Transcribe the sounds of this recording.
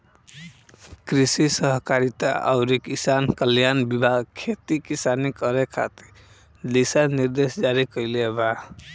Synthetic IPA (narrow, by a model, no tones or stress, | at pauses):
kɾisisʌɦkaɾit̪a̰ʔa̰ʊɾikisankəljanbibʱaɡkʰet̪ikisanikʌɾekʰa̰t̪i̥ɾ | d̪isaniɾd̪esd͡ʒaɾikʌileba